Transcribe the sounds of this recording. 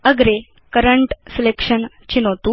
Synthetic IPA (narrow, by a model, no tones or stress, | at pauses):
əɡɾe | kəɾəɳʈselekʂən | t͡ɕinot̪u